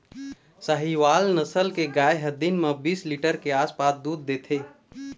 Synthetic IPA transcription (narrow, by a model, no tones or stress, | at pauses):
səɦiʋaːlnəsəlkeɡaːeɦəd̪inmebiːsliʈəɾkeaːspaːsd̪uːd̪̚ːeːt̪ʰe